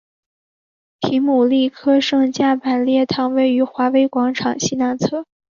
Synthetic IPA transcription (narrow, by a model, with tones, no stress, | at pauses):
t̪ʰi˧˥ŋmu˨˩li˥˩kʰɤ˥ʂɤ˥˧ŋt͡ɕja˥˩pa˨˩nljɛ˥˩t̪ʰɑ˧˥ŋwe˥˩ɪy˧˥xwa˧˥we˧˥ɪkwɑ˧˥ŋʈ͡ʂʰɑ˨˩ŋɕi˥˧na˧˥nt͡sʰɤ˥˩